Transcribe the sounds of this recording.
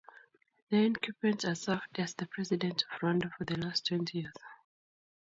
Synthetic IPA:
nãnkʰipɹɛ̃ntasavdæzðəpʰɹ̥ɛzidɛ̃ntʰɔv̥ɹɔãndofɔðəlastʰw̥ɛ̃ntʰijiz̥

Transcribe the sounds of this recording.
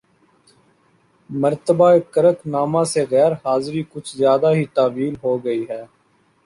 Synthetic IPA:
məɾt̪əbaːekəɾəknaːmãːseːɣɛːɾhaːzɾiːkʊt͡ʃʰzjaːd̪aːɦiːt̪aːʋiːlɦoːɡəiːɦɛː

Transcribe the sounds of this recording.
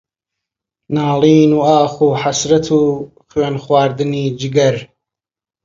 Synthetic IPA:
naːliːnuaːxuːħasɾɐt̪ʰu | χɥeːnxwaːɾd̪ɨniːd͡ʒɪɡɐɾ

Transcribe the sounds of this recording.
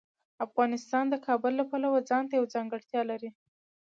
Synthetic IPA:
afɣɑnɪst̪ɑnd̪əkʰɑbʊlːapalawad͡zɑnt̪ajawd͡zɑŋɡəɽt̪jɑlaɾi

